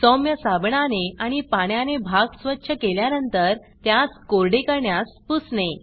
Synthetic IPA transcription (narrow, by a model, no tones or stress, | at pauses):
sɔmjəsabɳaneaɽ̃ipaɳjanebʱaɡsʋətːɕʰəkeljanənt̪əɾ | t̪jaskoɾɖekəɾɳjaspusne